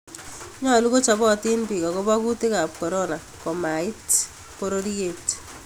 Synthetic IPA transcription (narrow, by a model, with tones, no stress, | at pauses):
ɲɔ˦˨lu˦ko˦t͡ʃa˨bɔ˦˨tɪ˦npi˨kɔ˨kɔ˦ba˦ku˦tɪ˦ka˨p̚kɔ˨ɾɔ˦na˨ | kɔ˨ma˨ɪ˦t | po˦ɾo˦ɾie˦˨t